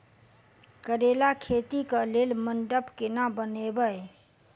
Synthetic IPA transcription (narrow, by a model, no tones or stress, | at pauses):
kəɾeːlakʰeːt̪ikaleːlmənɖəpkɪnabənebəe